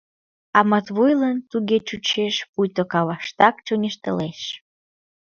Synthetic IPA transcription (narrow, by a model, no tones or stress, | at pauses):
ɑmət̪βujlənt̪uɣet͡ɕut͡ɕeʃpujt̪okɑβɑʃt̪ɑkt͡ɕonʲeʃt̪ə̰̆leʃ